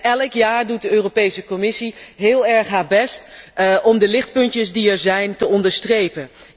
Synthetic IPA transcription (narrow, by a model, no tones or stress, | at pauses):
ɛləkjaːɹdut̚dəøːropejsəkɔmɪsiɦɪːlˠɛɹχɦaːɹbɛstɔmdəlɪχt̚pɵntəsdiɛɹzɛjntəɔndəɹstrejpən